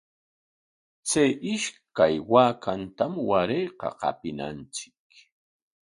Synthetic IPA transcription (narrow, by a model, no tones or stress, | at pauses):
t͡sajʔɪʃkajwaːkant̪amwaɾejqɑ̰qɑ̰pɪna̰nt͡sɪ̥k